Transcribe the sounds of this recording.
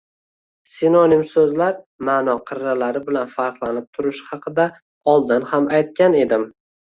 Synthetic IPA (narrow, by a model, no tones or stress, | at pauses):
sinonimsɵzlaɾ | maːnɒqʰɨɾːalaɾɪbɪlanfaɾqlˠanɪp̚t̪ʰʊɾɪʃhɑqʰɨd̪a | ɒlˠd̪ɪnhamajt̪̚kʲane̞d̪ɪm